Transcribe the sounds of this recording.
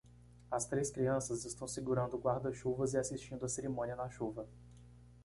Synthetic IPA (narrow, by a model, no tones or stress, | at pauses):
ɐst̪ɾeskɾiɐ̃sɐzɪst̪ɐ̃w̃siɡuɾɐ̃nd̪ʊɡwaɾd̪ɐʃuvɐzɪasiʃt͡ʃĩnd̪ʊɐseɾimõniɐnɐʃuvɐ